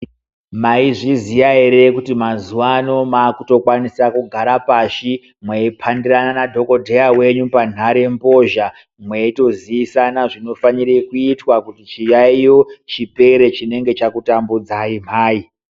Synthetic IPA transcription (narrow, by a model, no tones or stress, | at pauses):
maiʐizijaeɾe̞kutimazuwano̞maːkuto̞kwanisakuɡʱaɾapaːʃi | mweipʰandirananadʱo̞ko̞dʱejawe̞ɲupan̤aɾe̞mbo̞ʒa | mweito̞ziʋisanaʐino̞faniɾekuitwakutit͡ʃijaijot͡ʃipe̞ɾe̞t͡ʃine̞ŋɡe̞t͡ʃakutambud͡zaim̤aːi